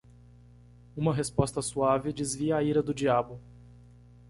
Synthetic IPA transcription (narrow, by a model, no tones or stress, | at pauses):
ũmɐɦespɔst̪ɐsuavɪd͡ʒɪzviɐaiɾɐd̪ʊd͡ʒiabʊ